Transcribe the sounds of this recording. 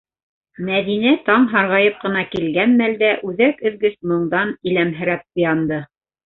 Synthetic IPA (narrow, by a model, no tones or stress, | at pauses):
mæðinæt̪ɑɴɦɑɾʁɑjɤp̚qɤ̆nɑkilɡænmæld̪æʔʉðækɵ̆ðɡɘsmɤ̆ɴd̪ɑnilæmɦɘ̆ɾæp̚ŏjɑnd̪ɤ